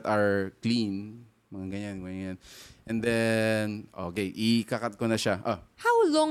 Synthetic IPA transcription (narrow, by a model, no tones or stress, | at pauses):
t̪aɹklin | mɐŋaɡɐɲanɡɐɲŋanʔɛnd̪ɛnʔokejʔikakat̪̚konɐʃaʔohawlɔ